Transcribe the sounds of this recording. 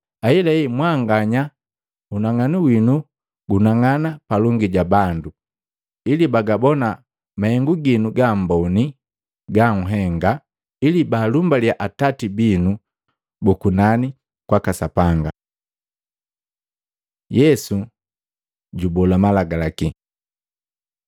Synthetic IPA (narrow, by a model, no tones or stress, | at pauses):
ailɛimwaŋɡaɲa | unaŋaniwinu | ɡunaŋanapalɔŋɡiɟabandu | ilibaɡabɔna | mahɛŋɡuɡinuɡambɔni | ɡaŋ̩ɦɛŋɡa | ilibaːlumbaliaʔatatibinu | bukunani | kwakasapaŋɡa | jɛsu | ɟubɔlamalaɡalaki